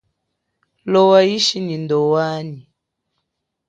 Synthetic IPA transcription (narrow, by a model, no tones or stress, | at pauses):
lɔwaiʃinindɔwani